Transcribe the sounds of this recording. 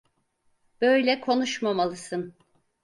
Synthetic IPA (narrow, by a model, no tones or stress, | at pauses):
b̥øjlʲɛkʰo̞nuʃmamalˠɯsɯn